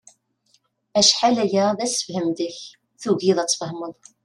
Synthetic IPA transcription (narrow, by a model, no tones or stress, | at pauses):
æʃħalæjæðæsə̥fhəmd̪əç | θuʝiðˤæt͡sˤːfəɦməðˤ